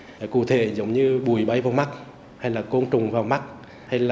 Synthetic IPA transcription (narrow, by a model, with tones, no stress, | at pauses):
kṵ˧˨t̪ʰḛ˧˨zə˨˦wŋ͡mɲɨ˧ɓu˨˧˩əjɓa˨˧˦jvaː˨˩wma˦˥k̚ | ha˧jlaː˨˩ko˧nt͡ɕʊ˨˩ŋ͡mvaː˨˩wma˦˥t̚ | ha˧jlaː˨˩